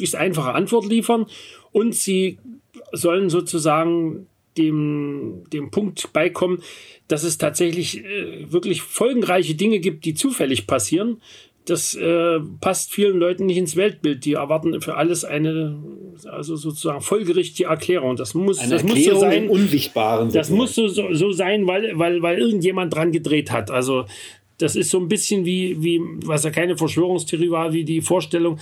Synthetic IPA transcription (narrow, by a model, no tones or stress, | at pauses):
ɪçstʔa̰ɪnfaχəʔantv̥ɔɐtliːfɐnʔʊntz̥iː | zɔlənzoːt͡suzaːɡŋ̩ | d̥eːmd̥eːmpʰʊŋk̚tb̥aɪkʰɔmənd̥as̬ɛstʰaːtz̥ɛçlɪçɛːvɪɐklɪçfɔlɡŋ̩ʁaɪçədɪŋəɡiːp̚t̚d̥iːt͡suːfɛlɪçpʰasiːʁ̞ən | d̥asʔɛːpʰastfiːlənlɔʏtn̩nɪçtɪnsv̥ɛlt̚b̥ɪlt̚d̥iːɛɐvaɐtn̩fyːɐʔaləsʔa̰ɪnə | ʔa̰lzozoːt͡su̥z̥aːɡŋ̩fɔlɡəʁɪçtɪɡəɛɐkʰl̥ɛːʁ̞ʊŋd̥asmʊsɪassmʊzːoːzaɪnʊnnzɪçtb̥aːʁəndasmʊsz̥oːzozoːzaɪnvaɪlvaɪlvaɪlʔɪɐɡŋ̩tjeːmant̚d̥ʁanɡədʁeːthatʔalzo | d̥asɪstz̥oːnbɪsçənviːviːvasjaːkʰaɪnəfɛɐʃv̥øːʁ̞ʊŋstʰeʁiːvaɐlviːdiːfoːɐʃtɛlʊŋ